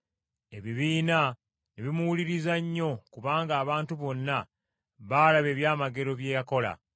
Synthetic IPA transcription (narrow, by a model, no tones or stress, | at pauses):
e̞βiβiːna | neβimuwuliɾizaɲːo̞kuβaːŋɡaːβaːntuβo̞nːa | βaːlaβe̞ːβjaːmaɡe̞ɾo̞βje̞ːjako̞la̰